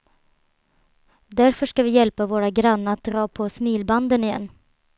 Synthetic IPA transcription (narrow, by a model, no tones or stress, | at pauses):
d̪æɾfœʂkavɪjɛlpavoːɾaɡɾanːəat̪̚d̪ɾɑːpʰɔsmiːlband̪ənɪjɛ̰nː